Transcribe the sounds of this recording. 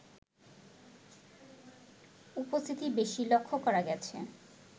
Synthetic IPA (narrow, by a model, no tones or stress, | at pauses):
upost̪ʰit̪ibeʃilokʰːokɔɾaɡɛt͡ɕʰḛ